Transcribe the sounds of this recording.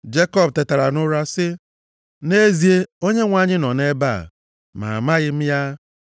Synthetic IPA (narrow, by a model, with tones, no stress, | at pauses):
d͡ʒe˦kɔ˦bte˨ta˨ɾa˨nʊ˦ɾa˦sɪ˦ | ne˦zi˨e˦o˦ɲe˦ŋʷa˨ɲɪ˦nɔ˨ne˦ba̰˦˨ | ma̰˨ma˦ɣɪ˦m̩˦ja˦